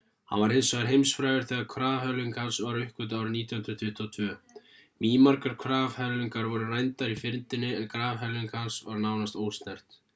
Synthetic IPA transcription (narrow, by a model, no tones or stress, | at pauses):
ha̰nvaɾhɪnsœɣaɾɦejmsfɾaːjʏɾ̥θɛːɣaðkʰvɾaːvhœlʏŋkansvaɾʏhkʏt̪̬awɾɪniːt̪jɔw̪hʏnd̪ɾʏt̪ʰvɪht̪ʰːɔt̪ʰvœː | miːmaɾkaɾ̥kʰvɾaːvhœlʏŋkaɾvɔɾʏrajnt̪aɾifɪnt̪ɪnːɪɛðkɾaːvɦœlʏŋkʰansvaɾnawnast̪oːwst̪nɛr̥t̪